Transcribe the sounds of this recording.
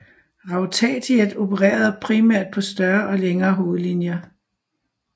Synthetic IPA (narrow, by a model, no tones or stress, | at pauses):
ʁɑ̈ʊt͡sʰɛ̰t͡sʰied̥o̝pʰəʁɛ̰ːɐð̞ˠpʰʁimæɐ̰d̥̚pʰɒ̽sd̥ɶɐʔɒ̽leŋɐːɦo̝ːð̞̩ˠlinjɐ